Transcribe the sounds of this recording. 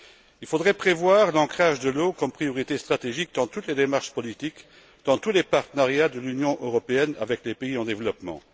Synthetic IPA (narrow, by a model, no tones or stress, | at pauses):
ilfod̪ʁɛpχevwaːʁlɑ̃kχaʒd̪əlokɔmpχijɔʁit̪est̪χat̪eʒik̚d̪ɑ̃t̪ut̪led̪emaʁʃpɔlit̪ik | d̪̥ɑ̃t̪ulepaʁt̪ənaʁjad̪əlynjɔ̃ʔøʁɔpeɛna̰vɛklepeiɑ̃d̪evlɔpmɑ̰̃